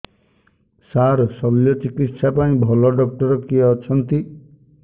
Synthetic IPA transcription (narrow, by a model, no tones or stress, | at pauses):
saɾsɔljɔt͡ʃikit̪sapaĩbʱɔlɔɖɔk̚ʈɔɾɔkiaːt͡ʃʰɔnt̪i